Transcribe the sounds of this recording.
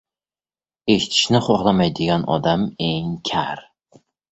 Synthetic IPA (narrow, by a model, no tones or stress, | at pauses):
e̞ʃɪ̥t̪ʰɪ̥ʃnɪχɒʁlˠamajd̪eɡʲanɒ̰d̪ame̞ŋkʲʰaɾ